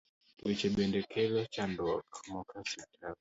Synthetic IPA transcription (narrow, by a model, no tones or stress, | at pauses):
ɛt͡ʃɛɓɛndɛkʰɛlɛt͡ʃandɔkmwakʰasitʰa